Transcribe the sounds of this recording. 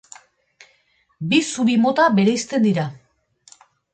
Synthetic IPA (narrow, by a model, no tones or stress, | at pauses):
bisuɾimo̞t̪aβe̞ɾejst̪e̞nd̪iɾa